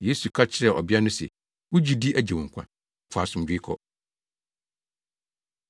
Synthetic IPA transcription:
je˦su˨kʰa˦t͡ɕʰɪ˨ɾɛ˨ʔɔ̰˨bɪ˦a˦nʊ̃˦sɛ̰˨ | wʊ˦d͡ʑi˦di˦ʔæ˨d͡ʑe˨wʊ̃˨ŋ̩˨kʷʰã̰˦˨˦ | fa˨sʊ̃˨m˨d͡ʑᶣi˦kʰɔ̰˦

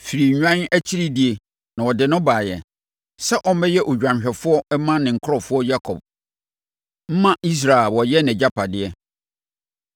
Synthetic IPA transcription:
fi˨ɾi˨ɲᶣ˦ã˦n˦æ˦t͡ɕʰi˦ɾi˦di˦e˨ | nã˨wɔ˨dɪ˨nʊ̃˦baː˨jɛ̰˨ | sɛ˦ʔɔ˦m˦mɛ˦jɛ˦ʔo˨d͡ʑᶣã˨m˨ɕᶣɛ˨fʊ˦ɔ˦ɛ˦mã˦nɪ̃˨ŋ̩˨kʰɔ˨fʊ˦ɔ˦ja˦kʰɔ̰˨b̚ | m̩˦mã˦˨ʔi˦s̬ɾa˨ɛ˨wɔ˨jɛ˦nɛ̃˨d͡ʑa˦pʰa˨dɪ˦ɛ˦

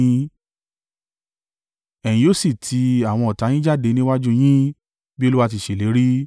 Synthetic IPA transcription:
ɛ̃˨ĩ˨˧o˦si˦˨tʰi˧a˨w̃ɔ̃˧ɔ˨ta˨˧˦j̃ĩ˦d͡ʒa˦˨de˧nĩ˦wa˦d͡ʒũ˦j̃ĩ˦ | bi˦o˦lu˦wa˦˧ti˧˨ʃe˨le˨˦ɾi˦

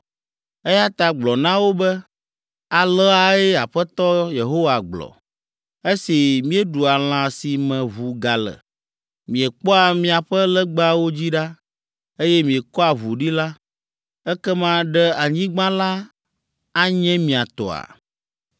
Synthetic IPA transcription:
ɛ˦ja˦t̪a˨ɡ͡blɔ˨nã˦wo˦bɛ˦ | a˨lɔ˦a˨e˦a˨ɸɛ˦t̪ɔ˦je˨ɦo˦wa˨ɡ͡blɔ̰˨ | e˦si˨mĩ˦ɛ˦ɖu˨a˨l̃ã˨si˨mɛ̃˨βu˨ɡa˨lɛ̰˨ | mĩ˨ɛ˨k͡pɔ˦a˨mĩ˨a˨ɸɛ˦lɛ˦ɡ͡ba˦wo˦d͡ʑi˦ɖa˦ | e˦jɛ˦mĩ˨ɛ˨kɔ˦a˨βu˨ɖi˦la˦ | ɛ˦kɛ˦mã˦ɖɛ˦a˨ɲĩ˦ɡ͡bã˦la˦ | a˦ɲɛ̃˦mĩ˨a˨t̪ɔ̰˨a̰˨

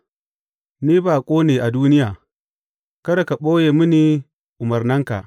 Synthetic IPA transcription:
niː˦baː˨kʷʼoː˦neː˨ʔa˨duː˦nɪ˦jaː˨ | kɐ˦ɽa˨ka˨ɓoː˦jeː˨mʊ˦niː˨ | ʔʊ˨mɐ˨rnɐ˦ŋka̰˨ʔ

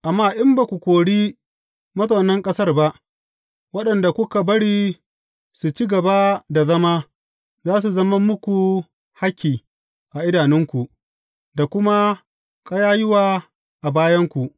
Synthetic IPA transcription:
ʔa˨mːaː˦ʔɪ˦mba˨kʷu˨kʷoː˨ɽiː˦ | mɐ˦zʼo˨nɐ˦ŋkʼɐ˦sɐ˦rba˦ʔ | wɐ˦ɗɐ˨nda˨kʷʊ˦ka˨bɐ˦ɽiː˦ | su˨t͡ʃi˦ɡɐ˨ba˦da˨zɐ˦ma˦ | zaː˦s̬u˨zɐ˦ma˦mːʊ˦kʷu˨ | ha˦kʲːiː˨ | ʔa˨ʔɪ˦daː˨nɪ˦ŋkʷu˨ʔ | da˨kʷʊ˦ma˦ | kʼa˦jaː˦jɪ˦waː˦˨ | ʔa˨baː˦jɐ˦ŋkʷu˨ʔ

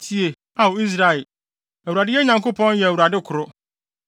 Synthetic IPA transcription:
tʰi˦e˨ | a˨wo˨i˦s̬ɾa˦ɛ˨l | æ˨wu˨ɾa˨dɪ˦jɛ˦ɲã˨ŋko˦pʰɔ̃˦njɛ˨æ˨wu˨ɾa˨dɪ˦kʰʊ˨ɾʊ˦

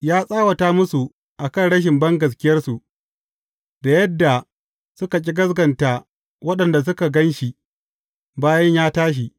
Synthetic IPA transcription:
jaː˦sʼaː˦wɐ˨taː˦mʊ˦su˨ | ʔa˨kɐ˦˨nɽɐ˦ʃ̬ɪ˨mbɐ˦ŋɡɐ˨s̬kʲɪ˦jɐ˦rsu˨ʔ | da˨jɐ˦dːa˨ | sʊ˦ka˨k̬ʲʼi˦ɡɐ˦zɡɐ˨nta˨ | wɐ˦ɗɐ˨nda˨s̬ʊ˦ka˨ɡɐ˦nʃi˨ | baː˦jɐ˦ɲjaː˦taː˦ʃ̬i˨ʔ

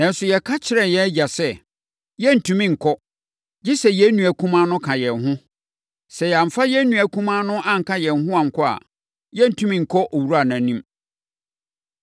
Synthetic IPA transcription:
nã˨n˦sʊ˨jɛ˨kʰa˦t͡ɕʰɪ˦ɾɛ˨jɛ˦d͡ʑa˨sɛ˦ | jɛ˦n̩˨tʰũ˦mĩ˦ŋ̩˨kʰɔ˦ | d͡ʑɪ˦sɛ˨jɛ˨˦nũ˨æ˨kʰũ˦mã˦nʊ̃˦kʰã˨jɛ˨nɦʊ̃˦ | sɛ˨ja˨m˨fa˦jɛ˦nũ˨æ˨kʰũ˦mã˦nʊ̃˦ʔã˦ŋ̩˨ka˦jɛ˨n˨ɦʊ̃˦ã˨ŋ̩˨kʰɔ˦a̰˨ | jɛ˦n̩˨tʰũ˦mĩ˦ŋ̩˨kʰɔ˦ʔɔ˨wu˦ɾa˨nã˨˦nĩ˦m

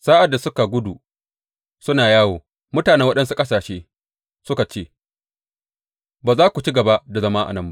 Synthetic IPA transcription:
saː˦ʔa˨dːa˨sʊ˦ka˨ɡʷʊ˦du˨ | sʊ˦naː˨jaː˦woː˨ | mʊ˦taː˨nɛ˦wɐ˦ɗɐ˦nsu˨kʼɐ˦saː˨ʃeː˦ | sʊ˦ka˨t͡ʃeː˦˨ | baː˨zaː˦kʷu˨t͡ʃi˦ɡɐ˨ba˦ʔda˨zɐ˦ma˦ʔa̰˨nɐ˦mba˦ʔ

